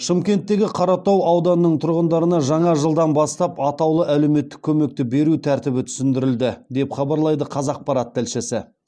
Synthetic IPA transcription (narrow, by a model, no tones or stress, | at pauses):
ʃəmkʲe̞nt̪ːe̞ɡʲɪqʰɑɾɑt̪ɑwɑwd̪ɑnənəɴt̪ʰʊɾʁənd̪ɑɾənɑʒɑɴɑʒəlˠd̪ɑnbɑst̪ɑpɑt̪ɑwlˠəʔæle̞me̞t̪ːɪ̥kʲʰːɵme̞k̚t̪ɪbe̞ɾut̪ʰæɾt̪ɪbɪt̪ʰʏ̥sɪnd̪ɪɾɪld̪ɪd̪e̞pχɑbɑɾlˠɑjd̪əqʰɑzɑq̚pɑɾɑt̪ːɪlʃɪsɪ